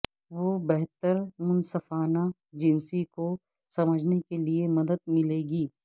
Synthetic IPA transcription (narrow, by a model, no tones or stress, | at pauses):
ʋoːbɛɦt̪əɾmʊnsəfaːna | d͡ʒɪnsiko | sɐməd͡ʒʱnekeliemɐd̪əd̪̚mɪleːɡiː